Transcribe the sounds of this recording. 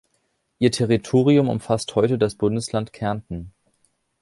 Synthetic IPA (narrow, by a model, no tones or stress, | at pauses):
ʔiːɐtʰeʁ̞itʰoːʁ̞iʊmʊ̰mfasthɔʏtədasb̥ʊndəslantkʰɛɐntn̩